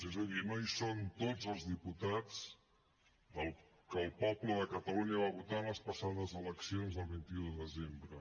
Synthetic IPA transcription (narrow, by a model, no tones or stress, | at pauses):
ezəðimajsont̪od͡zəlˠzðiput̪at͡s | ðəlˠ | kəːlˠpɔpləðəkət̪əluɲəβaβut̪anləspəsaðəzələksionzðəlˠβint̪iuðəðəzembɾə